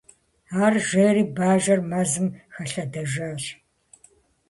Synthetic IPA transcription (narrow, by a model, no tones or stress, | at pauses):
aːrʒeːɾiːbaːʒɐrmɐzɨmxɐɬɐdɐʒaːɬ